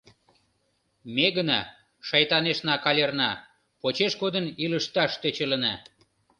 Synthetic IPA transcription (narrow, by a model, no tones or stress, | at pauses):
meɣənɑ | ʃɑjt̪ɑneʃnɑkɑlʲernɑ | pot͡ɕeʃɡod̪əniləʃt̪ɑʃt̪øt͡ɕələnɑ